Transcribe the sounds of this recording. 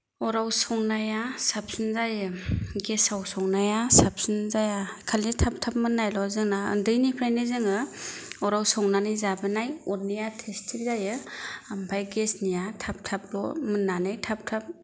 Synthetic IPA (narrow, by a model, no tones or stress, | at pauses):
ɔɾawsɔŋnajasap̚sɯnzajɯɡesawsɔŋnajasap̚sɯnzajakʰalːitʰap̚tʰap̚mɯnːajlɔzɯŋnaɯ̰ndɯjnipʰɾajnɯzɯŋɯɔɾawsɔŋnanizabɯnajɔɾnijatʰestʰiɾzajɯampʰajɡesnijatʰap̚tʰap̚lɔmɯnːanɯjtʰap̚tʰap̚